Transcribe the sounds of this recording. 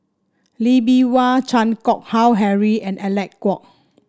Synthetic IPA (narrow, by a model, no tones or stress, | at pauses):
libiwat͡ʃʰãnkɔk̚hawɦɛɹiɛ̃nɛlɛkkːɔk̚